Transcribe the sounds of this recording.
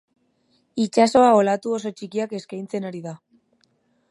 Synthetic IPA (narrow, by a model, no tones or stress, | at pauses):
it͡ʃaso̞ao̞lat̪uo̞so̞t͡ʃikiake̞skajnt͡se̞naɾiða